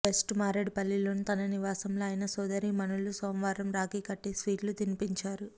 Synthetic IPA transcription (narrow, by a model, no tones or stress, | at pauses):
ʋesʈmaːɾeɖpɐlːiloːnit̪ɐnɐniʋaːsɐmloɐjnɐsɔːd̪ɐɾimɐnuɭusoːmʋaːɾɐmɾaːkiːkɐʈːisʋiːʈlut̪inipiɲt͡ʃaːɾu